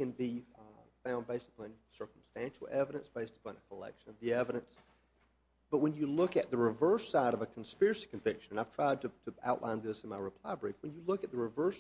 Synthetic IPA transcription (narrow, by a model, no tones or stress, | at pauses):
kɨ̃nbifãʊ̃nbeɪstə̥pʰɑ̃nsɜ˞km̩stæ̃nʃl̩ˠɛvɨɾɨ̃nsb̥eɪstə̥pɑ̃nəkʰəlɛ̰kʃɨ̃nʌvðiɛvɨɾɨ̃ns | b̥ʌt̚wə̃njɨlʊkɨt̪̚ðɨɹɨvɜ˞saɪɾʌvɨkʰn̩spɪɹɨsi̥kɨ̃ɱvɪkʃɨ̃ñnaɪv̥tʰɹ̥aɪd̚tʰɨtʰɨa̰ʊʔˡlʔãɪ̃nðɪsn̩maɪɹɨpʰl̥aɪbɹifwə̃njɨlʊkɨt̪̚ðəɹɨvɜ˞s